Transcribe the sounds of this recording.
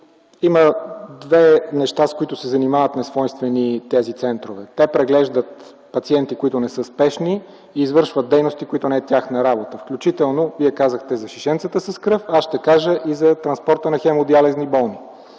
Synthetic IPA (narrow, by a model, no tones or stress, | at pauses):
iməd̪vɛnɛʃt̪askoit̪ʊsɛzɐnimavət̪nɛsvɔjnst̪vɛnit̪ɛzit̪sɛnt̪ɾovɛt̪ɛpɾɛɡlɛʒd̪ət̪ | pɐt̪siɛnt̪ikoit̪ʊnɛsɤspɛʃniː | zvɤɾʃvət̪̚d̪ɛjnost̪ikoit̪ʊnɛɛt̪ʲjaxnəɾabot̪əfklʲut͡ʃit̪ɛlˠnoviɛkazəxt̪ɛzɐʃiʃɛnt̪sət̪əsɐskɾɤfasʃt̪ɛkaʒəʔizɐt̪ɾɐnspɔɾt̪ənɐxɛmod̪ialɛznibɔlˠni